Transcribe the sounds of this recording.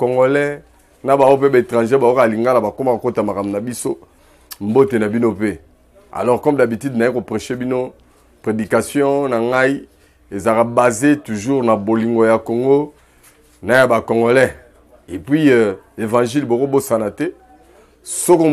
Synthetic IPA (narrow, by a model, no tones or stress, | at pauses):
koŋɡolɛ | nabawopebaetʁãʒebawokaliŋɡalabakomakakotamakamunabiso | mbotenabinope | a̰lɔʁkɔmdabitidnajikopʁeʃebino | pʁedikasjɔ̃naŋɡai | ezakabazetuʒuʁnaboliŋɡojakoŋɡo | najabakɔŋɡolɛ | epɥievãʒilbokobosanatɛ | soko